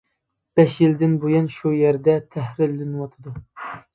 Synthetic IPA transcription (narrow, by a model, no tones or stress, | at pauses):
b̥ɛʃjild̪ɪnbujunʃujɛɾd̪ɛt̪ʰɛhɾɪlːɪnwɑt̪ʰɨd̪u